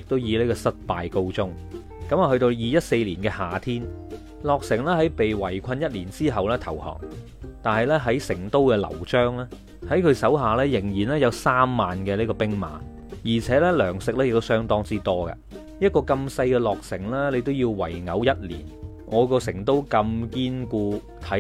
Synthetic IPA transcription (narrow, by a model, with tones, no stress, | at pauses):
jɪ˨k̚t̪o˥wjiː˨˧le˨˥kɔː˧sɐ˥t̚paː˨jko˧wt͡sʊ˥ŋ | kɐ˨˥maː˨hɵ˧ɥt̪o˧wjiː˨˧jɐ˥t̚se˧jliː˨˩nkɛː˧haː˨t̪ʰiː˥n | lɔː˨k̚sɪ˨˩ŋlɛː˥ɦɐ˨˥jpe˨jwɐ˨˩jkʷʰɐ˧njɐ˥t̚liː˨˩nt͡siː˥ɦɐ˨wlɛː˥t̪ʰɐ˨˩whɔ̰ː˨˩ŋ | t̪aː˨nɦɐ˨jlɛː˥ɦɐ˨˥jsɪ˨˩ŋt̪o˥wkɛː˧lɐ̰˨˩wt͡ʃœː˥ŋlɛː˥ | hɐ˨˥jkʰɵ˧ɥsɐ˨˥wɦaː˨˩lɛː˥jɪ˨˩ŋjiː˨˩nlɛː˥jɐ˨˧wsaː˥mːaː˨nkɛː˧liː˥kɔː˧pɪ˥ŋma̰ː˨n | jiː˨˩t͡sʰɛː˨˥lɛː˥lœː˨˩ŋsɪ˨k̚lɛ˥ɪ˨k̚t̪o˥wsœː˥ŋt̪ɔː˥ŋt͡siː˥t̪ɔː˥kɐ̰˧ | jɐ˥t̚kɔː˧kɐ˧msɐ˧jkɛː˧lɔː˨k̚sɪ˨˩ŋlɛː˥le˨˧jt̪̬o˥wjiː˧wwɐ̰˨˩jŋɐ˨˥wjɐ˥t̚lḭː˨˩n | ŋʔɔː˨˧kɔː˧sɪ˨˩ŋt̪o˥wkɐ˧mkiː˥nkuː˧ | t̪ʰɐ˨˥